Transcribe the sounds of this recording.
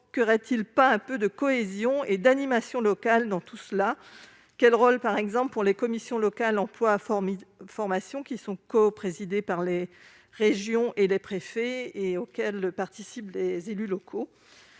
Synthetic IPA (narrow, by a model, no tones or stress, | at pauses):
kəʁɛt̪ilpaɛ̃pød̪əkɔezjɔ̃ed̪animasjɔ̃lɔkald̪ɑ̃t̪usəla | kʲɛlʁolpaʁɛɡzɑ̃plpuʁlekɔmisjɔ̃lɔkalɑ̃plwaffɔʁmasjɔ̃kʲisɔ̃kɔpχezid̪epaʁle | ʁeʒjɔ̃ʔelepχefɛeokʲɛlpaʁt̪isiplezelylɔkʰo